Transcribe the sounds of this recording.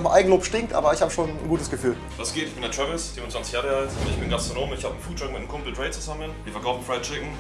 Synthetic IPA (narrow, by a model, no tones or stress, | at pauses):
mʔa̰ɪɡŋ̩loːpʃtɪŋktʔa̰ːbɐɪçhaːbəʃoːnnɡuːtəsɡ̥əfyːl | vasɡ̥eːtɪçb̥ɪndɛɐtʁ̥ɛvəlsfiːmʊnt͡sv̥ant͡sɪçjaːʁəaltaɪçb̥ɪnɡastʁ̥onoːmɪçhaːbən̩fuːtt͡ʃɔk̚mɪtnəmkʰʊmpl̩tʁɛɪt͡suzamənviːɐɛɐkʰaʊfn̩fʁaɪtt͡ʃɪɡŋ̩